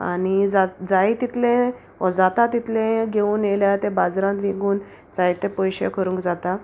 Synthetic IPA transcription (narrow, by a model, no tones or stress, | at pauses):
a̰ñid͡zad͡zait̪it̪lẽ | əd͡zat̪at̪it̪lẽɡʱeuːnjeljat̪ẽbad͡zɾãnt̪ʋĩɡuːn | sait̪ːɛ̃pɔjɕḛkʰəɾũŋkd͡zat̪a